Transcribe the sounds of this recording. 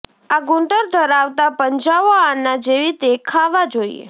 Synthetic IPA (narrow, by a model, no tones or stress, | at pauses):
aɡũɳʈəɾd̪ʱəɾaʋt̪apəɲd͡ʒaʋoanːad͡ʒeʋit̪ekʰaʋad͡ʒoḭḛ